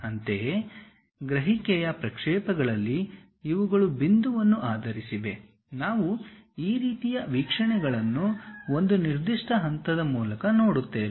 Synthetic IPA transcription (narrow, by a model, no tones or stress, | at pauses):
ɐnt̪e | ɡɾɐɦikɛjɐpɾɐkʂɛːpɐɡɐɭɐlːi | iʋuɡɐɭubind̪uʋɐnːuʔaːd̪ʱɐɾisiʋe̞ | naːʋuiːɾiːt̪ijɐʋiːkʂɐɳɛɡɐɭɐnːuo̞nd̪uniɾd̪iʂʈɐɦɐnt̪ɐd̪ɐmuːlɐkɐnoːɽut̪ːeːʋ